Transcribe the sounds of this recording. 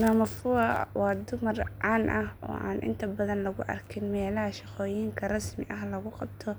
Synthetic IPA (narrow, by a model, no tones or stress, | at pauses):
nɔːmɐfʊɐwɑːd̪ʊmɐrʕaːnʔɐhɔ̰ːʔaːnʔɪ̰nt̪ʰɐbɐðɐnlɐɣʊʔɐ̰rkʰɪnmɛːlɐɦɐʃɑqɔːjiːŋkʰɐrɑsmɪʔɐɦlɐɣʊqɑb̚t̪ʰɔ